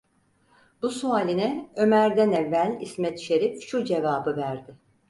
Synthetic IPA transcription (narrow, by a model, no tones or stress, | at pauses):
busuaːlʲinɛø̞mæɾd̪ænɛvːælʲḭsmɛt̪ʃe̞ɾifʃud͡ʒe̞vaːbɯvæɾd̪ɪ